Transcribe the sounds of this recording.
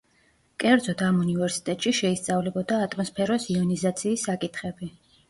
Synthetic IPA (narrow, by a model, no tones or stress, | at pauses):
kʼɛɾd̪zɔd̪amunivɛɾsi̥t̪ʼɛt̪ʼʃiʃɛist̪sʼavlɛbɔd̪aːt̪ʼmɔspʰɛɾɔsiɔnizat̪sʰiːsːakʼit̪ʰχɛbi